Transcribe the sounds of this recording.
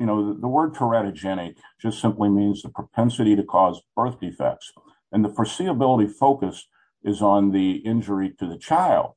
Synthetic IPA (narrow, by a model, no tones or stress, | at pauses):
jɨñoʊððəwɜ˞d̚tʰə˞æɾɨd͡ʒɛɾ̃ɪk̚d̥ʒ̥ʌstsɪ̃mplimĩnzðəpʰɹ̥ɨpʰɛ̃nsɨɾiɾɨkʰɔzb̥ɜ˞θd̥ifɛ̰k̚ts | ʔɨ̃nðəfə˞siəbɪlˠəɾifoʊkɨst | ɨzn̩ðiɪ̃nd͡ʒə˞iɾɨðɨt͡ʃʰaɪlˠd̥̚